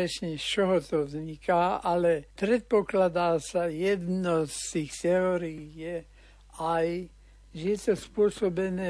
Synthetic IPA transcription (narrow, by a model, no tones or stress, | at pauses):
ɛʃɲɛt͡ʃɔɦɔt̪ɔvzɲikaːalɛpɾɛt̪̚pɔklad̪aːsajɛd̪nɔst̪iːxt̪ɛɔɾiijɛ | aj | ʒɛt̪ɔspʊɔsɔbɛnɛ